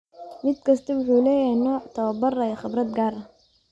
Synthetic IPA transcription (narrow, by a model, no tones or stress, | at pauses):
mɪd̪̚kʰɐst̪ʰɐwʊħuːlɛːjɐhɛnɔːʕt̪ʰɐwɐbɐrɐjɐχɪbɾɐd̪̚ɡaːɾɐ